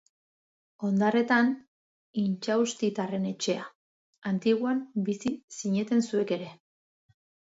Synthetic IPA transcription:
o̞nd̪are̞t̪an | int͡ʃaust̪it̪are̞ne̞t͡ʃe̞a | ant̪iɣuambisisiɲe̞t̪e̞nsue̞ke̞ɾe̞

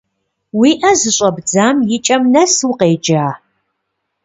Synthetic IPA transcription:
wiːʔɐzɨɕʷʼɐbd͡zaːmjɪt͡ʃʼɐmnɐswuqeːd͡ʒaː

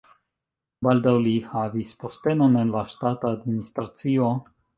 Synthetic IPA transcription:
baldawlihavispostenonenlaʃtataːdministɾat͡sio

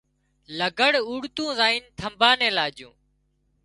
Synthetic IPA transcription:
ləɡəɽuːɽt̪ũːzaːiːnt̪ʰəmbʱaːnẽːlaːd͡ʒjṵ̃ː

